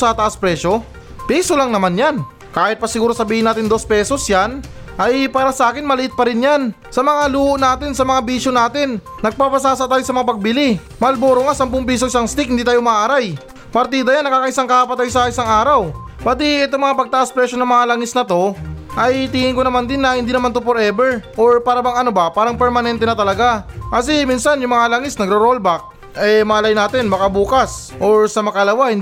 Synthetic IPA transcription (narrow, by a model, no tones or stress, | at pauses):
sɐt̪ɐʔaspɾɛːʃo̞ | piːso̞laŋnɐmanjan | kaːhɪt̪̚pɐsɪɡuːɾosɐbiːhɪnaːt̪ɪnd̪o̞spɛːso̞sjan | ʔɐjpaːɾɐsɐʔaːkɪnmɐlɪʔɪt̪̚pɐɾɪnjan | sɐmɐŋaluːhoʔnaːt̪ɪnsɐmɐŋabiːʃonaːt̪ɪnː | ɐɡ̚paːpɐsaːsɐʔt̪aːjosɐmɐŋapɐɡ̚bɪli | mɐlboːɾoŋasɐmpʊŋpiːsoʔɪsaŋst̪ik̚hɪnd̪it̪aːjomaʔaɾaj | pɐɾt̪iːd̪ɐjanːɐkaːkɐʔɪsaŋkakapɐt̪ajsɐɪsaŋaːɾɐw | pat̪iɛt̪omɐŋapɐɡ̚t̪ɐʔaspɾɛʃo̞nɐŋmɐŋalɐŋɪsnɐt̪o̞ʔɐjt̪ɪŋɪŋkonɐmand̪ɪnːɐhɪnd̪iːnɐmant̪ʊpoɾʔɛbɛɹʔoɹpaːɾabaŋɐnobapaːɾɐŋpɛɾmɐnɛnt̪ɛnɐt̪ɐlɐɡakɐsɛminsanjʊŋmɐŋalaŋɪsnɐɡɾoɾolbak̚ | ʔɛmɐalajnaːt̪ɪnbɐkabuːkɐs | ʔoɹsɐmɐkɐlɐwahɪn